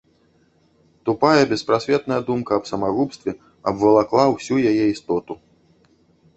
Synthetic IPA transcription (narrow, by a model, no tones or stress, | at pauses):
t̪upajɐbʲɛspɾasʲvʲɛt̪nɐjɐd̪umkɐːpsɐmaɣupst̪vʲɛ | ɐbvɐlˠaklˠawsʲujajɛist̪ɔt̪u